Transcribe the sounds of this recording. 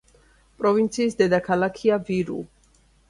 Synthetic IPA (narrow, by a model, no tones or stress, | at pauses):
pʼɾɔvint̪sʰiːsd̪ɛd̪akʰalakʰiaviɾṵ